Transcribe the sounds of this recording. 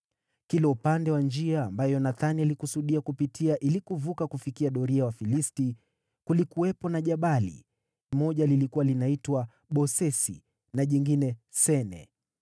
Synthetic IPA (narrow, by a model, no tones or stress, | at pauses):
kilɛupandɛwand͡ʒiaːmbajɔnaθanialikusuɗiakupitʰiaʔilikuvukakufikiaɗɔɾiawafilisti | kulikuwɛpɔnaʄaɓalḭ | mɔʄalilikuwalinaitwa | ɓɔsɛsḭ | naʄiŋɡinɛsɛnɛ̰